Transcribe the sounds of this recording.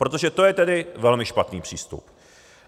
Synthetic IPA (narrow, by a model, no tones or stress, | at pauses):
pɾo̞t̪o̞ʒɛt̪o̞jɛt̪ɛdɪvɛlmɪʃpat̪niːpr̥iːst̪ṵp